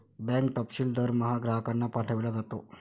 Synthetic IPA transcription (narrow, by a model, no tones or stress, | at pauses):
bɛ̃ŋkʈɔpɕiːld̪əɾməɦaɡɾaɦəkanːapaʈʰəʋelad͡zat̪o̰